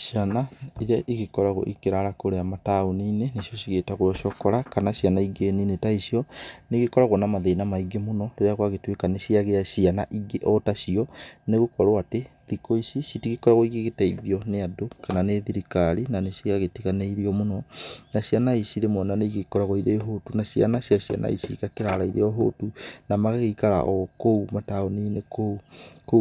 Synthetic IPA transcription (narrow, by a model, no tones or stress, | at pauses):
ʃianaiɾjaʔiɣekɔɾaɣo̰ʔikeɾaɾakoɾeamataoniːnenisjɔsiɣetaɣoɔʃɔkɔɾakanaʃianaiɡeninetaisiɔneɣekɔɾaɣɔnamaðenamaiɡemonɔɾeɾeaɣwaɣetwekaneʃiaɣeaʃiana̰ʔiɡeʔɔtaʃiɔneɣokɔɾoate | ðikoisisitiɣikɔɾaɣoiɣeɣetɛiðiɔneadokananeðiɾikaɾinanesiaɣetiɣaneiɾiɔmonɔnaɕianaisiɾemɔnaneiɣekɔɾaɣoiɾeɦotunaʃianaɕiaɕia̰nʔa̰ḭsikakeɾaɾaiɾeɔɦo̰tunamaɣɣeikaɾa̰ʔɔkoumataoniːnekouko